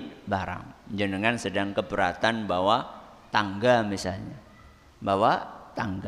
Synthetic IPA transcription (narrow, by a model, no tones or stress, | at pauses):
baɾa̰ŋd͡ʒənəŋansədaŋkəbəɾat̪anbawa | t̪aŋɡamisalɲa | bawat̪aŋɡa